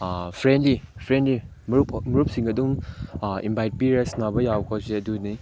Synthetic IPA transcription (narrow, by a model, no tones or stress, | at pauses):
pʰɾendlipʰɾendli | mumuɾup̚siŋɐduŋ | ḭmbʱajt̚piɾesnabɐjawbkʰaseɐduni